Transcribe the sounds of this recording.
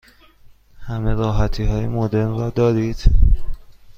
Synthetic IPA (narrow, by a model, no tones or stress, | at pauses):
hæme̞ɾɒːɦæt̪ʰiːɦɒːjemod̪e̞ɾnrɒːd̪ɒːɾiːd̪̥